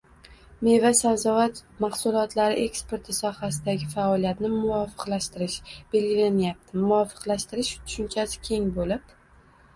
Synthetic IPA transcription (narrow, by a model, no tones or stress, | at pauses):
me̞vasawzɒvat̪maχsʊlˠɒt̪ʰlaɾɪʔe̞kspe̞ɾt̪ʰɪsɒhasɪd̪aɡʲɪfaɒlijat̪nɪmʊvɒfɨ̥qlaʃt̪ɪɾɪʃb̥e̞lɡʲɪlanjap̚t̪ʰɪmːʊɒfɨ̥qlaʃt̪ɪɾɪʃt̪ʰʊ̥ʃʊnt͡ʃʰasɪ̥kʲʰe̞ŋbolɪp